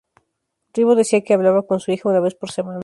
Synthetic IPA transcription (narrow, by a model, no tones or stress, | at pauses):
riβoðe̞siake̞aβlaβako̞nsuixaunaβe̞spo̞ɾse̞mãn